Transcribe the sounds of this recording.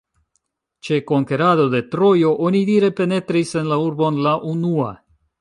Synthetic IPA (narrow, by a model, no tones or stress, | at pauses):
t͡ʃe̞ko̞ŋke̞ɾado̞de̞tɾo̞jo̞ʔo̞nidiɾe̞pe̞ne̞tɾise̞nlauɾbo̞nlaʔunua̰